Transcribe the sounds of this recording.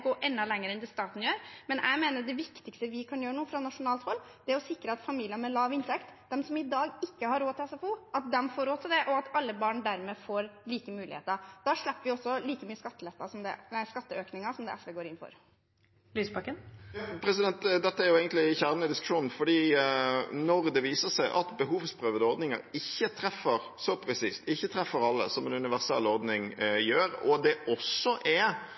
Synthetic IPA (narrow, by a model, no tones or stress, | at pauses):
ɡoːʔɛnːɑlɛŋːəɾəɛnd̪ɪst̪ɑːt̪n̩jøːɾmɛnʔæ̰ɪmeːnəɖ̪ɛʋɪkt̪ɪkst̪əʋɪkʰɑnjøːɾəɳuːfɾɑnɑʂʊnɑːlt̪hɔlː | d̪̥ɛæɾɔsɪkɾəɑt̪fɑmiːlɪənmɛlɑːʋɪnt̪ʰɛkt̪d̪ɛmsɔmɪd̪ɑːɡɪkːəhɑɾoːt̪ʰɪlɛsɑfuːʔɑt̪̚d̪ɛmfoːɾoːt̪ʰɪld̪ɛʔɔɑt̪ɑlːəbɑːɳd̪æɾmɛːfoːɾliːkəmʉːlɪ̰hḛːt̪əɾd̪̥ɑːʂɭɛpːəʋɪɔsːɔliːkəmyːəskɑt̪ːəlɛt̪ːɑsɔmd̪ɛ̰næskɑt̪ːəøːknɪŋɑsɔmd̪ɛ̰ʔɛsʋeːɡoːɾɪnfɔ̰ɾ | lyːsbɑkːənpʰɾɛsɪd̪ɛnt̪d̪ɛt̪ːəæɾjʊɛːɡənt̪lɪçæɾmənɪd̪ɪskʉ̥ʂuːnn̩fɔɖiː | nɔɾd̪ɛʋiːsəsæɪʔɑ̰t̪bəɦuːʋspʰɾøːʋəd̪əɔɾd̪nɪŋə̰ɾɪçːət̪ʰɾɛfːəɾ | sɔpʰɾɛsiːst̪ɪçːət̪ʰɾɛfːəɾɑlːə̰sɔmɛnʉnɪʋæʁsɛ̰lːɔɾd̪nɪŋjøːɾɔ̰d̪ɛʔɔsːɔʔɛ